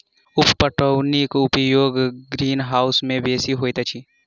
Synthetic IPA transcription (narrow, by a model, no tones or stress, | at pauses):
ʊppəʈənikʊpjoːɡɡɾiːnɦaːʊsmẽbeːsiɦoːjt̪at͡ʃʰi